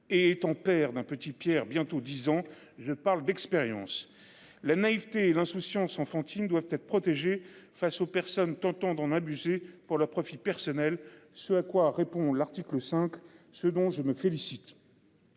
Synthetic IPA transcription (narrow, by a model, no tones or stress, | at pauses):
eːt̪ɑ̃pɛʁd̪ɛ̃pət̪ipjɛʁbjɛ̃t̪od̪izɑ̃ | ʒəpaʁld̪ɛkspeʁjɑ̰̃s | lanaivt̪eːlɛ̃susjɑ̃sɑ̃fɑ̃t̪ʰind̪wavt̪ɛt̪χə̥pχɔt̪eʒefasopɛʁsɔnt̪ɑ̃t̪ɑ̃d̪ɑ̃nabyzepuʁlœʁpχɔfipɛʁsɔnɛlsəakwaʁepɔ̃laʁt̪ikləsɛ̃ksəd̪ɔ̃ʒəməfelisit̪